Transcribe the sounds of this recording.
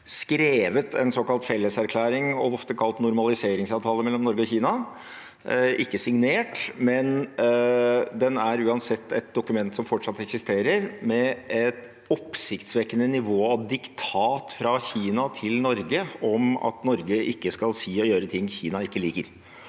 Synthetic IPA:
skɾeːʋət̪ʰɛ̰nsɔkɑlt̪fɛlːəsæɾkʰlæːɾɪŋɔʋɔft̪əkʰɑlt̪nʊɾmɑlɪseːɾɪŋsɑːʋt̪ʰɑːləmɛlːɔmnɔɾɡəɔçiːnɑ | ʔɪkːəsɪŋneːʈmɛn | d̪ɛnæɾʉːɑnsɛt̪ːɛt̪̚d̪ʊkʉmɛnt̪sɔmfɔʈʂɑt̪ːɛksɪst̪eːɾəɾmɛɛt̪ | ɔpːsɪkt̪sʋɛkənənɪʋoːɑʋd̪ɪkt̪ʰɑːt̪fɾɑçiːnɑt̪ʰɪlnɔɾɡəɔmɑ̰t̪nɔɾɡəʔɪkːəskɑlsiːɔjøːɾət̪ʰɪŋːçiːnɑɪkːəliːkəɾ

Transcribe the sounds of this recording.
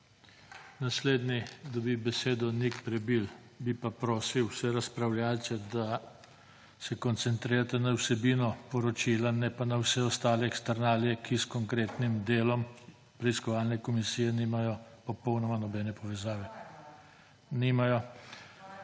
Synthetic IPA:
nasleːd̪nid̪abibɛseːd̪ɔnikpɾɛbil | bipapɾɔːsiwsɛɾaspɾawljaːlt̪sɛd̪a | sɛkɔnt̪sɛnt̪ɾiːɾat̪ɛnawsɛbiːnɔpɔɾɔt͡ʃilanɛpanawsɛɔst̪aːlɛːkst̪aɾnaːljɛkʰiskɔŋkɾeːt̪nimd̪eːlɔm | pɾɛiskɔʋaːlnɛkɔmisiːjɛniːmajɔpɔpɔwnɔmanɔbɛnɛpɔʋɛzaːʋɛ | nimajɔ

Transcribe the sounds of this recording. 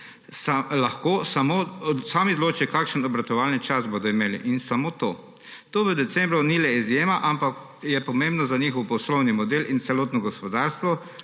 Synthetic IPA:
salaxkoːsamosaːmiɔd̪loːt͡ʃikaːkʃənɔbɾat̪ɔʋalnit͡ʃasboːd̪ɔimeːlḭʔinsamot̪oː | t̪oːʋəd̪ɛt̪sɛmbɾɔnilɛizjeːmaʔampak | jɛpɔmẽmbnɔzaniːxɔwpɔslɔwnimɔd̪elint̪sɛloːt̪nɔɡɔspɔd̪aɾst̪ʋɔ

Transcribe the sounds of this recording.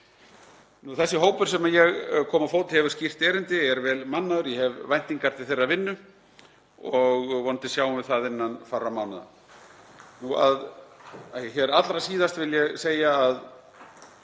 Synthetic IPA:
nuθɛsːɪɦoːwpʏɾ̥sɛmajɛɣkʰɔːmafoːwt̪ɪhɛvʏɾ̥scir̥t̪ɛːɾɪnt̪ɪɛɾvɛːlmanːaðʏɾjɛhɛvvajn̥t̪iŋkaɾt̪ɪ̥θejraðvɪnːʏ | ɔɣvɔnt̪ɪ̥sjaːwʏmvɪðθaðɪnːanfaramawnaða̰ | nuað | çɛːɾat̪lɾasiːðast̪vɪljɛɣseːjaːað

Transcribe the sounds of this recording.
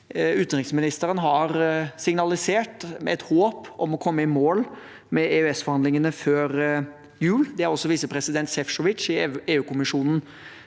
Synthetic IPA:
ʉt̪nɾɪŋsmɪnɪst̪əɾənɦɑɾsɪŋnɑlɪseːʈɛ̰t̪hoːpɔmɔkʰɔmːəɪmoːl | mɛeːʉɛsfɔɾhɑnd̪lɪŋənəføːɾ | jʉːld̪ɛæɾɔsːɔʋiːsəpʰɾɛsɪd̪ɛnt̪sɛfʂɔʋɪt̪t͡ʃɪeːʉːkʊmɪʂuːnn̩

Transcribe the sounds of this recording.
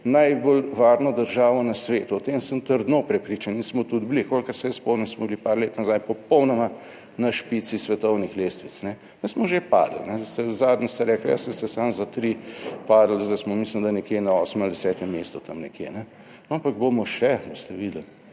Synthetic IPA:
najbolʋaːɾnɔd̪əɾʒaːʋɔnɐsʋeːt̪uɔt̪emsəmt̪əɾd̪nopɾɛpɾiːt͡ʃaninsmɔt̪ud̪blikolkəɾsɛjɛspɔwnɛsmɔblipaːɾleːt̪nazajpɔpɔwnɔma | nɐʃpit̪sisʋɛt̪ɔwnixleːst̪ʋit̪t͡s̪nɛ | nɛsmɔʒepa̰ːd̪lnɛst̪ɛzaːd̪nist̪ɛɾɛːklja̰sənst̪ɛsanzat̪ɾipaːd̪əl̩zd̪asmɔmislimd̪anɛkjenaɔːsmɛmald̪ɛsɛːt̪ɛmeːst̪ɔt̪ɐmnɛkjḛnɛ | nɔampaɡ̚bomɔʃɛbost̪ɛʋiːd̪əl

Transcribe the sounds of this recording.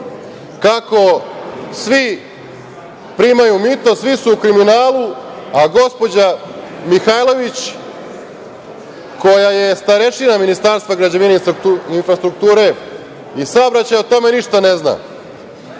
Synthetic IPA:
kako̞sʋi | pɾimajumit̪o̞sʋisuːkɾiminaːlˠu | aɡo̞spo̞d͡ʑamixajlˠo̞ʋit͡ɕ | ko̞jajest̪aɾeʃinaminist̪aɾst̪vaɡɾad͡ʑaʋineiuinfɾast̪ɾuk̚t̪uːɾe̞ | isaobɾat͡ɕajot̪o̞me̞niʃt̪anezna̰

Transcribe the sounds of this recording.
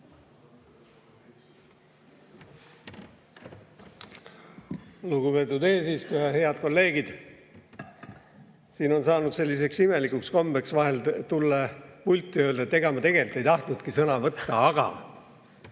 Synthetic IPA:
luɡube̞ːt̪ːˑud̪e̞ːsist̪ujɑhe̞ɑd̪̚ko̞lːe̞ːɡ̥id̪̥ | siːno̞nsɑːnud̪̥se̞lʲːis̬e̞ksime̞likuksko̞mbeksvɑɦe̞lt̪ulːɑpulʲt̪ːˑiøld̪ɑet̪ːˑeɡɑmɑt̪e̞ɡ̥e̞lit̪ːˑejt̪ɑht̪nud̪̥kisɤnɑvɤt̪ːɑɑɡ̥ɑ̰

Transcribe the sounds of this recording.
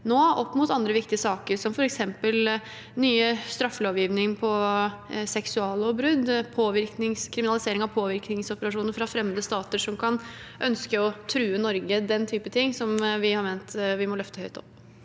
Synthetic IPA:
noːɔpːmʊt̪ɑnd̪ɾəʋɪk̚t̪ɪəsɑːkəɾʂɔmfɔɾɛksɛmpəl | nyːəst̪ɾɑfːəloːʋjiːʋnɪŋpʰɔ | sɛksʉɑːləɔbɾʉd̪pʰoːʋɪɾknɪŋskʰɾɪmɪnɑlɪseːɾɪŋɑʋpʰoːʋɪɾknɪŋsɔpəɾɑʂuːnəɾfɾɑfɾɛmːəd̪əst̪ɑːt̪əʂɔmkʰɑnʔœnskəɔt̪ʰɾʉːənɔɾɡəd̪ɛnt̪ʰyːpət̪ʰɪŋːsɔmʋɪhɑɾmeːnt̪ʋɪmɔlœft̪əhœʏt̪ʰɔ̰pː

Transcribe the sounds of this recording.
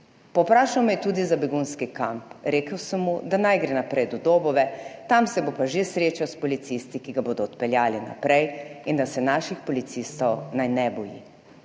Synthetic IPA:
pɔpɾaːʃawmɛjɛt̪uːd̪izabɛɡunskikampɾeːkəwsəmːud̪anajɡɾɛnapɾɛjd̪ɔd̪oːbɔʋɛt̪amsɛbopaʒesɾeːt͡ʃawspɔlit̪sist̪ikiɡaboːd̪ɔːt̪pɛljaːlina̰pɾɛjind̪asɛnaːʃixpɔlit̪sist̪ɔwnajnɛbɔjḭ

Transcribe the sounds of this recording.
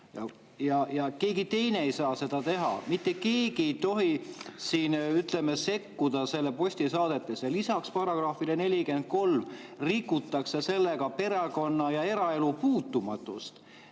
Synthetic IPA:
jɑ̰ | jɑjɑke̞ːɡit̪e̞jne̞ejsɑːse̞d̪̥ɑt̪e̞ɦɑ̰mit̪ːˑe̞ke̞ːɡ̥iejt̪o̞ɦisiːnyt̪ˑlemese̞kːud̪̥ɑse̞lːepo̞sʲt̪isɑːd̪̥e̞t̪ːˑe̞sjɑlisɑkspɑrɑɡ̥rɑːfilene̞lʲike̞nd̪̥̚ko̞lm | rikːˑut̪ːˑɑkse̞se̞lːe̞ɡɑpe̞ɾɑko̞nːɑjɑe̞ɾɑe̞lupuːt̪ːˑumɑt̪ːˑṵst̪

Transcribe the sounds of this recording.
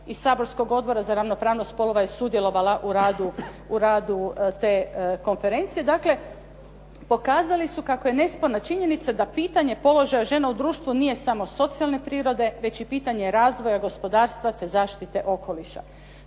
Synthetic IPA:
issaːbo̞ɾsko̞ɡo̞d̪̚bo̞ɾazaɾaʋno̞pɾaːʋnost̪po̞lˠo̞ʋajesud̪jelˠo̞ʋalaʔuɾaːd̪u | uɾaːd̪ut̪e̞ko̞nfe̞ɾe̞nt̪sije̞d̪akle̞ | po̞kaːzalisukako̞je̞ne̞spo̞ɾnat͡ʃiɲe̞nit̪sad̪apiːt̪aɲe̞po̞lo̞ʒajaʒe̞naud̪ɾuːʃt̪ʋunije̞samo̞so̞t̪sijalˠne̞pɾiːɾo̞d̪e̞ʋe̞t͡ɕipiːt̪aɲe̞ɾaːzʋo̞jaɡo̞spo̞d̪aːɾst̪ʋat̪e̞zaːʃt̪it̪e̞ʔo̞ko̞liʃa̰

